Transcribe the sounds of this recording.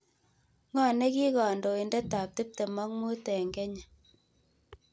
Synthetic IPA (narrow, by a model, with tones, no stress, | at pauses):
ŋɔ˨ne˦ki˦kɔ˨ndo˨i˨ndɛ˦ta˨p̚tɪ˦p̚te˨mɔ˦k̚mu˦tɛ˨ŋɡɛ˦ɲa˨